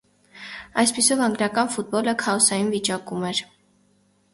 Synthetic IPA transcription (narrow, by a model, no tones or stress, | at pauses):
ɑjspisɔvɑŋɡnɑkɑnfut̪̚bɔləkʰɑɔsɑjinvit͡ʃɑkumɛɾ